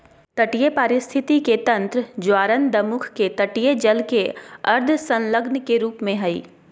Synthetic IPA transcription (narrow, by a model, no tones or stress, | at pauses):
t̪ɐʈijepəɾɪst̪ʰɪt̪iket̪ɐ̃nt̪ɾd͡ʒwaːɾənd̪ɐmʊkʰket̪ɐʈijed͡ʒɐlkeɐɾd̪ʱsɐ̃nləɡnkeɾuːpmẽɦɐḭː